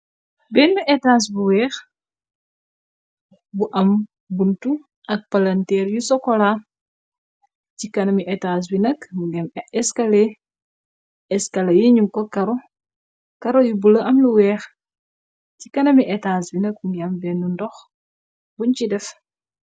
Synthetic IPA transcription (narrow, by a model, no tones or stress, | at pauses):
bɛːnːuʔɛtaːs̬buwɛːx | buʔɐm | buntu | ʔɐk̚pɐlɐntɛːɾjusɔkɔla | cikɐnɐmiʔɛtaːs̬binɐkmuɡɛmɛskɐle | ɛskɐlɐjiɲumkɔkɐɾɔ | kɐɾojubulɐʔɐmluwɛːx | cikɐnɐmiʔɛtaːsbinɐk̚uŋɡiɐmbɛːnːundɔx | buɲcidɛf